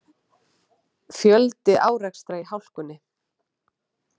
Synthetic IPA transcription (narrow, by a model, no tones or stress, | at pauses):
fjœlt̪ɪʔaːwɾɛkst̪ɾaihawl̥kʏnːɪ